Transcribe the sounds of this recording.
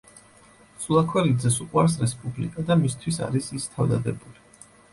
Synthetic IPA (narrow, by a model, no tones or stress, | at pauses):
sulˠakʰwɛlid̪zɛsuqʼwaɾs̬ɾɛspʼublikʼad̪amist̪ʰwisa̰ɾisist̪ʰavd̪a̰d̪ɛbuli